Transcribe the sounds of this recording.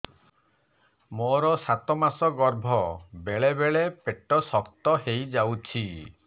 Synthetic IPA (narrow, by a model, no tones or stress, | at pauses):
moɾɔsat̪ɔmasɔɡɔɾbʱɔbeɭebeɭepeʈɔsɔkt̪ɔɦejd͡ʒawt͡ʃʰi